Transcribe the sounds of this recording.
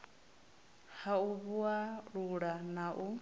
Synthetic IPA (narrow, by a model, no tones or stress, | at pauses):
hauβuaɺuɺanaʔu